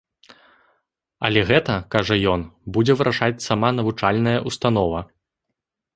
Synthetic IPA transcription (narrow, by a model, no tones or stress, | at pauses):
ɐ̰lʲɛɣɛt̪ɐkaʐɐjɔnbud͡zʲɛvɨɾʔaʂat͡sʲsamanɐvut͡ʂalʲnɐjɐʔust̪anɔvɐ